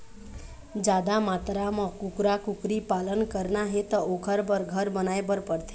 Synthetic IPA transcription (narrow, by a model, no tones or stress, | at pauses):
d͡ʒad̪amat̪ɾamə̃kukɾakʊkɾipalənkəɾnaɦet̪əokʰəɾbəɾɡʱəɾbənaebəɾpəɾt̪ʰe